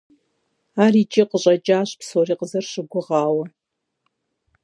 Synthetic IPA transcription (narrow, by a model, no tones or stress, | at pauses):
aːriːt͡ʃʼiqəɕʼɐt͡ʃʼaːɕpsoːriːqəzɐrɕɪɡʷʊʁɑːwɐ